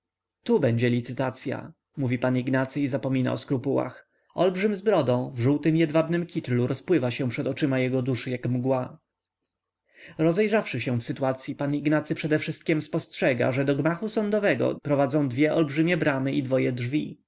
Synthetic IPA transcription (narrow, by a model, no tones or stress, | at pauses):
t̪ubɛɲd͡ʑɛlʲit̪sɘt̪at̪sʲja̰ | muvʲipaniɡnat̪sɘizapɔmʲina̰ɔskɾupuwa̰x | ʔɔlbʐɘmzbɾɔd̪ɔ̃w̃vʐuwt̪ɘmjɛd̪vabnɘmkʲit̪luɾɔspwɘvaɕɛ̃pʂɛt̪ɔt͡ʂɘmajɛɡɔd̪uʂɘjakmɡwa | ɾɔzɛjʐafʂɘɕɛ̃fsɘt̪uat̪sʲjipaniɡnat̪sɘpʂɛd̪ɛfʂɘst̪̚kʲɛmspɔstʂɛɡa̰ʐɛd̪ɔɡmaxusɔnd̪ɔvɛɡɔ̰pɾɔvad̪zɔ̃w̃d̪vʲjɛʔɔlbʐɘmʲjɛbɾamɘʔid̪vɔjɛdʐvʲi